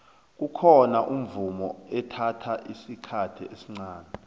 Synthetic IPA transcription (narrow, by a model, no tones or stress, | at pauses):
k̬ukʰɔnaʔum̩vumɔ̰ɛtʰatʰaʔisikʰatʰiesiŋ͡ǀaːnɛ